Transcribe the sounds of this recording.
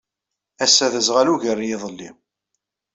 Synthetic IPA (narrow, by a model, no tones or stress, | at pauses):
æsːæðəzʁaluʝərːjɪðˤəlːḭ